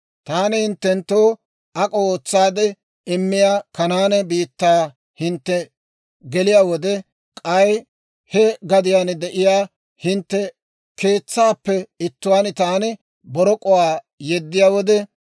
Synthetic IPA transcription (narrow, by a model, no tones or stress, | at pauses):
t̪aːnɪhɪnt̪ːɛnt̪ːoː | ɐkʼooːt͡sːaːd̪ɛ | ɪmːɪjaːkɐnaːnɛbiːt̪ːaː | hɪnt̪ːɛ | ɡɛlɪjaːwɔd̪ɛ | kʼɐj | hɛɡɐd̪ɪjaːnd̪ɛʔɪjaː | hɪnt̪ːɛ | keːt͡sːaːpːɛɪt̪ːʊwaːnɪt̪aːnɪ | bɔɾɔkʼɔwaː | jɛd̪ːɪjaːwɔd̪ɛ